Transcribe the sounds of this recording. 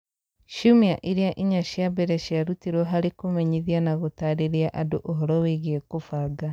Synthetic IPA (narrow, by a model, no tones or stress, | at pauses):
ʃumiaʔiɾiaʔiɲaʃjabeɾɛʃiaɾutiɾwɔɦaɾekomɛɲiðianaɣotaɾeɾiaʔadoʔoɦɔɾɔweɣiekofaːɡa